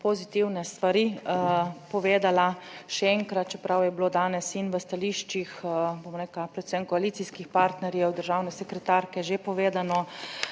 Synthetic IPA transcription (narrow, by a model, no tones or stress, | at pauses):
pozit̪iwnɛst̪ʋaɾi | pɔʋeːd̪alaʃɛɛŋkɾat̪̚t͡ʃɛpɾawjɛbloːd̪aːnɛsinʋəst̪aliːʃt͡ʃixbomɾɛklapɾɛt̪sɛmkɔaliːt̪siskixpaɾt̪nɛɾjɛwd̪əɾʒawnɛsɛkɾɛt̪aɾkɛʒepɔʋeːd̪anɔ